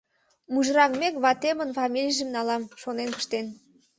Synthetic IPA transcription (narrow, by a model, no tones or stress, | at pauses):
muʒɾɑkmekβɑt̪emənfɑmʲilʲijʒə̆mnɑlɑmʃonenkə̥̆ʃt̪en